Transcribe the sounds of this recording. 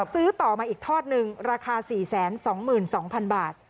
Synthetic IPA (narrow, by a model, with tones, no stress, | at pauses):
sɯː˦˥t̪ɔː˨˩maː˧ʔiː˨˩k̚t̪ʰɔː˥˩t̪̚nɯ˧ŋɾaː˧kʰaː˧siː˨˩sɛː˩˦nsɔː˩˦ŋmɯː˨˩nsɔː˩˦ŋpʰa˧nbaː˨˩t̪̚